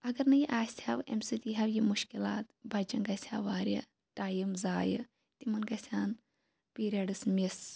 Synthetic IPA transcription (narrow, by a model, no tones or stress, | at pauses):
ɐɡɐɾnɐjiʔaːsʲʰaːʋḛmsɨt̪iɦɐwjimuʃkilaːt̪bɐt͡ʃɐnɡɐsʰʲaːʋaːɾʲjɐ̰ | ʈaːjimzaːjɨ̰ | t̪imɐnɡɐsʲʰaːn | piːɾiɐɖɨsmʲis